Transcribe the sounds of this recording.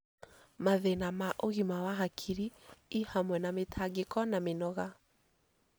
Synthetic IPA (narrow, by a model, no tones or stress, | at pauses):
maðenamaʔoɣimawaɦakʰiɾiihamwɛnametʰaɡekɔnamenɔɣa